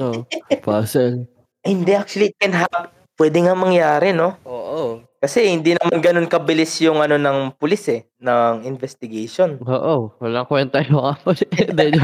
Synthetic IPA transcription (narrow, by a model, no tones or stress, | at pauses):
opaːsɛl | ʔhɪnd̪ɛʔak̚t͡ʃʊɐliɪt̪̚kɛnɦap | pːwɛːd̪ɪŋamɐŋjaːɾɪno̞ʔoːʔokɐsɛhɪnd̪inɐmanɡɐno̞nkɐbɪlɪsjʊŋʔɐno̞nɐŋpʊlɪsɛ | nɐŋɪnvɛst̪ɪɡɐjʃo̞noːʔowɐlaŋkwɛnt̪ɐjoŋɐpɐd̪ɛd͡ʒ